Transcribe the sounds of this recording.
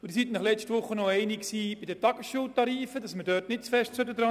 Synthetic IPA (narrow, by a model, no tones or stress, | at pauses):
ʊdisitnɑχlɛt͡ʃtʋʊχːənɔɛɪnɪksiːbidətɑɡ̥əsʃuːtɑɾiːfədɑsmədœːtnɪt̚t͡sfɛʃtsødədɾɑ